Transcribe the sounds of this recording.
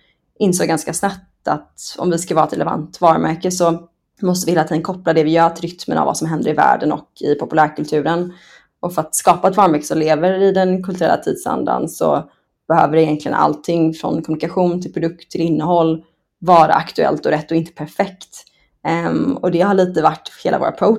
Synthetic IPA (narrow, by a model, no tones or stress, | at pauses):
ʔɪnsoːɡanskasnap̚t̪at̪ɔ̰mvɪskalvɑːɾɛt̪ɾɛlɛva̰nt̪vɑːɾəmʔæɾkəsɔ | mɔst̪əvɪheːlat̪iːd̪ənkʰɔplad̪ɛvɪjœːɾt̪ɾʏt̪mə̰na̰va̰sɔmɦɛnd̪əɾɪvæ̰ːɖənɔ̰kʰɪpʰʊpɵlæːɾkʰɵlt̪ʰʉ̟ːɾən | ʔɔfœɾat̪skɑːpaɛt̪vɑːɾmæɾkə̥sɔmleːvəɾɪd̪ɛnkʰɵlt̪ɵɾɛ̰lːa̰t̪ʰiːd̪sa̰nd̪a̰nsɔ̰ | b̥ɛhøːvəɖɛɪjɛnk̪ʰlɪɡə̰nʔa̰lt̪ʰɪŋːfɾɔ̰nkʰɔmnɪkaɧuːnt̪ʰɪlpʰɾʊd̪ɵk̚t̪ʰːɪlɪnːəɦɔlː | vɑːɾa̰ʔakt̪ɵɛ̰lt̪ɔɾɛt̪ːɔɪnt̪ə̥pʰæɾfɛkt̪ | ɔd̪ɛhaɭiːt̪əvaʈːheːla̰voːɾa̰pʰɾo